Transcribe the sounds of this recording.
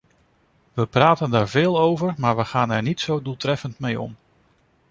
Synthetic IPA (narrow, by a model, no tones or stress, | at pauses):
ʋəpraːtəndaːɹvɪːlˠowvəɹmaːɹʋəχaːnɛɹnitsowdulˠtrɛfəntmejɔ̰m